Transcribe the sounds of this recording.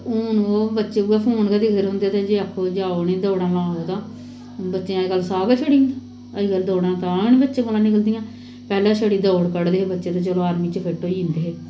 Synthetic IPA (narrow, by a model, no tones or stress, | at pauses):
oːnːbətːʃeːuaːpʰoːnkaːd̪ɪkʰd̪eɾɦõːnd̪eːt̪ẽd͡ʒeːəkʰːoːd͡ʒaːoniːd̪oːɽãːlãːoːt̪ãː | bətːʃeãːekəlːsaːɡaːt͡ʃʰəɽiː | əiɡəld̪oːɽãːt̪aːnĩːbətːʃẽːkoːlãːnɪkəld̪ɪjãː | pɛːlãːt͡ʃʰəɽiːd̪oːɽkəɽd̪eːbətːʃeːt̪oːt͡ʃəloːaːɾmĩːt͡ʃəpʰeʈːoːiːnd̪eːɦeː